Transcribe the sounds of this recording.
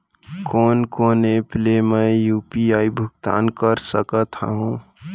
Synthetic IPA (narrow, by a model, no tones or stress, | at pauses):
koːnkoːnepleməjuːpiaibʱʊkt̪a̰ːnkəɾsəkət̪a̰ɦũ